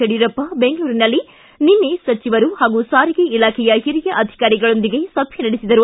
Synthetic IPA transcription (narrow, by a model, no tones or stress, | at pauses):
ɐɽiɾɐpːɐbeŋɡɐɭuːɾinɐlːi | ninːesɐt͡ʃiʋɐɾuhaːɡusaːɾiɡeilaːkʰɛjɐɦiɾijɐʔɐd̪ʱi̥kaːɾiɡɐɭond̪iɡe̞sɐbʱjɐnɐɽisid̪ɐɾu